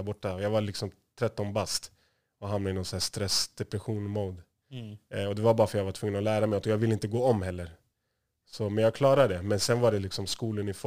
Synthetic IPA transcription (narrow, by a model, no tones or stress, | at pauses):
ɾbɔʈːaɔjaːɡvalɪksɔm | t̪ʰɾɛt̪ːɔnbast̪ | ɔɦamnaɪnɔnsæːʂt̪ɾɛsd̪̥ɛpɾɛɧuːnmoːd̪ | ɔd̪ɛvaɾbɑːɾafœɾjaɡvaʈʰvɵŋːənɔlæːɾamɛɪɔt̪ɔjɑːɡvɪlːɪnt̪əɡoːɔmːɦɛlːəɾ | sɔmɛnjaɡ̚kʰlɑːɾaɖɛmɛnsɛnvaɖɛlɪksɔmskuːlənɪf